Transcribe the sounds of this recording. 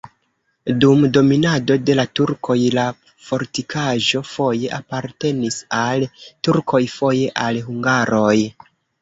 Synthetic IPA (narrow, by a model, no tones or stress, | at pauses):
dumdo̞minado̞de̞latuɾkʰo̞jla | fo̞ɾtikʰaʒo̞fo̞je̞ʔapaɾte̞nisaltuɾkʰo̞jfo̞je̞ʔalɦuŋɡaɾo̞j